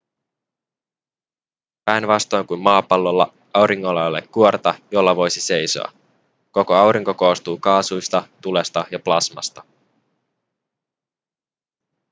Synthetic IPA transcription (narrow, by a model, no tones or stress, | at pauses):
pæjnʋɑst̪o̞jŋkummɑːpɑlːolːɑ̰ | ɑwɾiŋːo̞lːɑolːḛkːuort̪ɑjo̞lːɑʋo̞jsise̞jso̞̰ɑ̰ | ko̞ko̞ɑwɾiŋko̞ko̞ːst̪uːkɑːsujst̪ɑt̪ule̞st̪ɑjɑplɑsmɑ̰st̪ɑ̥